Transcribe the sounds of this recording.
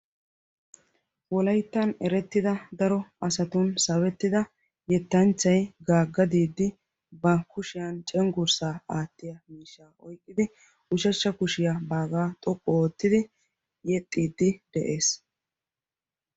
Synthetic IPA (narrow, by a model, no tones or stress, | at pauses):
wɔlɐjt̪ːɐnɛɾɛt̪ːɪd̪ɐd̪ɐɾɔɐsɐt̪ʊnsɐwɛt̪ːɪd̪ɐ | jɛt̪ːɐnt͡ʃːɐjɡaːɡːɐd̪iːd̪ːɪ | bɐkʊʃɪjant͡ʃʼɛŋɡʊɾsaːaːt̪ːɪjɐmiːʃːaːʔɔjkʼːɪd̪ɪ | ʔʊʃɐʃːɐkʊʃɪjabaːɡaːt̪ʼɔkʼːɔːt̪ːɪd̪ɪ | jɛt̪ʼːiːd̪ːɪd̪̥ɛʔeːs